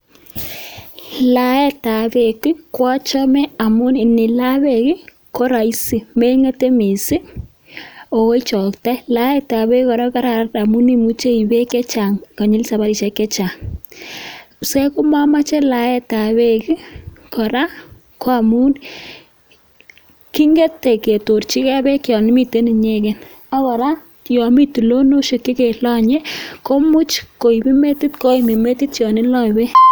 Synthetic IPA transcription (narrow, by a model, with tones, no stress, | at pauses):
la˨˦ɛ˦ta˨βe˨ku˦kwa˦t͡ʃɔ˦mɛ˦a˨mu˦nɪ˨nɪ˨la˦βe˨kɪ˦ | ko˦ɾa˨i˦si˨me˦ŋe˦te˦me˨sɪ˦ | o˨we˦t͡ʃɔ˨kta˦la˦ɛ˦ta˨βe˦kkɔ˨ɾa˦ka˦ɾa˨ɾa˦ta˨mu˦ni˦mu˦t͡ʃe˦i˨βe˦kɛ˦t͡ʃa˨ŋkɔ˨ɲɪ˦lsa˨βa˦ɾi˨ʃɛ˨kɛ˦t͡ʃa˨ŋ | sɛ˦kʊ˦ma˦ma˦t͡ʃɛ˦la˨ɛ˦ta˨we˦kɪ˦kɔ˨ɾa˦ | ko˦a˨mu˦n | ki˦ŋɡe˦tːe˨ke˨to˨rt͡ʃi˦ka˦be˦kjɔ˨nɪ˦mi˦te˦nɪ˨ɲe˦ke˨n | a˦kɔ˨ɾa˦ | jɔ˨mi˦tu˨lo˦no˦ʃe˨kːi˦ke˨lɔ˦ɲe˦ko˦mʊ˦t͡ʃko˨i˨bi˦me˦ti˦tko˦i˨mi˨me˦ti˦tjɔ˨nɪ˦lɔ˦˨we˦